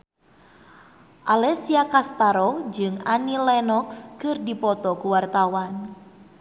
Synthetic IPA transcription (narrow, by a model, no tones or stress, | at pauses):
ʔalɛsiakast̪aɾɔd͡ʒɨŋanilɛnɔkskɨrdipɔt̪ɔkuwart̪awan